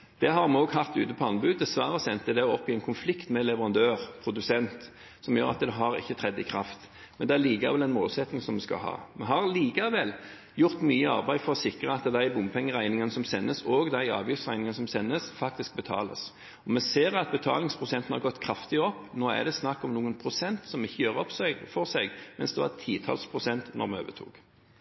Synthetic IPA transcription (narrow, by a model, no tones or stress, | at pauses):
d̪̥ɛɦɑɾmɛoːɡhɑft̪ʉ̰ːt̪əpʰɔɑnbʉːd̪̚d̪ɛsʋɑːɾəsɛnt̪əd̪ɛɔpːɪɛɪnkʰʊnflɪkt̪mɛlɛʋəɾʁɑnd̪øːʁpʰɾʊd̪ʉsɛnt̪ | sɔmjø̰ːɾɑ̰t̪d̪ɛɦɑɾɪ̰çːət̪ʰɾɛd̪ːəɪkʰʁɑft̪ | mmɛnd̪ɛæliːkɑ̰ʋɛlɛnmoːlsɛt̪nɪŋsɔmɛskɑ̰lɦɑ̰ːmɛɦɑʁliːkɑʋɛl | jʊʁt̪myːəɑ̰ʁbæɪ̥fɔʁɔsɪkʁəɑt̪d̪æɪbʊmpʰɛŋːəʁæɪnɪŋənəsɔmsɛnːəsoːɡd̪æɪɑ̰ːʋjʏft̪sʁæɪnɪŋənəsɔmsɛnːəsfɑk̚t̪ɪsk̚bət̪ʰɑ̰ːlə̰s | ɔmɛseːɾɑt̪̚bɛt̪ʰɑ̰ːlɪŋspʰʁʊsɛnt̪ənhɑʁɡɔt̪ːkʰɾɑft̪ɪɔpːnoːæ̰ʁd̪ɛsnɑkːɔmnuːənpʰʁʊsɛnt̪sɔmɪçːəjøːʁɔpsɛɡfɔʁsɛɡmɛ̰nsd̪ɛʋɑ̰t̪ʰiːt̪ʰɑ̰lspʰʁʊsɛnt̪nɔ̰ʁmɛø̰ːbət̪ʰṵːɡ̥